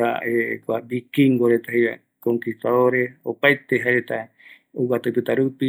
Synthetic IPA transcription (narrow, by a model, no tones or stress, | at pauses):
a̰ekʷabikiŋɡoɾet̪ahejβa̰ | koŋkist̪aðoɾesopajt̪eɦaɾet̪a | owat̪apɨt̪aɾupi